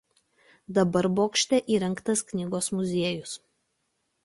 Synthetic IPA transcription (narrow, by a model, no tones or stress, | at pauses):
d̪ɐbɐɾboːkʃʲt̪ʲɛʔiːɾʲɛŋˑkt̪ɐsknʲiːɡoːsmʊzʲiɛjʊs